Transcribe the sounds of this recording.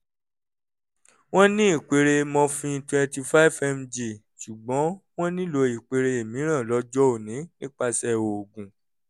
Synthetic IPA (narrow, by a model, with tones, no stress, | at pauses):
w̃ɔ̃˦nĩ˦i˦˨k͡pe˨˧ɾe˧mɔ̃˧fĩ˧twɛ̃˧nti˧fa˦i˦fɛ˧md͡ʒe˨ | ʃu˨ɡ͡bɔ̃˨˦w̃ɔ̃˦nĩ˦lo˧i˨k͡pe˧ɾe˧e˨mĩ˨˦ɾ̃ã˦˨lɔ˧d͡ʒɔ˦o˦˨nĩ˨˦nĩ˦k͡pa˧sɛ˦o˨ɡũ˨